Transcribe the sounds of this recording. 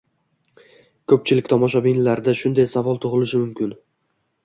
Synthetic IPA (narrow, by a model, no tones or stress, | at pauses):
kʰɵp̚t͡ʃʰɪlɪkʲt̪ʰɒmɒʃ̬abinlaɾd̪aʃʊnd̪ajsavɒlˠt̪ʰʊʁɨlɪʃɪmʊmkʲɪn